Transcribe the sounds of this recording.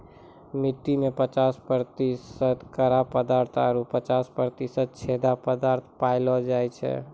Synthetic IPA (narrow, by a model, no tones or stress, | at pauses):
mɪt̪ːimẽpət͡ʃaspəɾt̪isəd̪kəɾapəd̪aɾt̪ʰaɾupət͡ʃaspəɾt̪isəd̪̚t͡ʃʰed̪apəd̪aɾt̪ʰpaɪlɔd͡ʒajt͡ʃʰɛ̰